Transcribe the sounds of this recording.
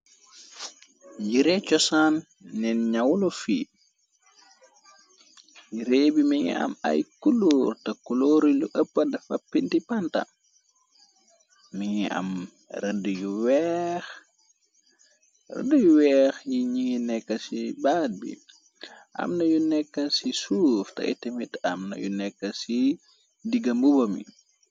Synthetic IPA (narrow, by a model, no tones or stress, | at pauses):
ɟiɾɛt͡ʃɔsanː | ɛnɲawlɔfḭ | jiɾeːbimiŋḭɐ̰ma̰jkulurtɐkuloːɾiluʔəpːɐdɐfɐpːintipantɐ̰ | miŋiʔa̰m | rɛndəjuwɛːx | rə̰ndujuwɛːxjiɲiŋinɛkːɐsibaːd̚bḭ | ʔɐ̰mnɐjunɛkːɐsisuːftɐ̰ʔḭtɛmitɐmnɐ̰jṵnɛkːɐsi | diɡɐmbubɐmḭ